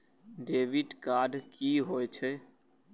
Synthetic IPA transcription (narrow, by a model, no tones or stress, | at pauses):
ɖeʋiʈkaɖkiɦoet͡ʃʰɛ